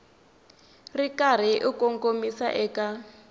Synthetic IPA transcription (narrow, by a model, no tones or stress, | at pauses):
rikar̤iʔikɔŋkʼomisa̰ʔɛka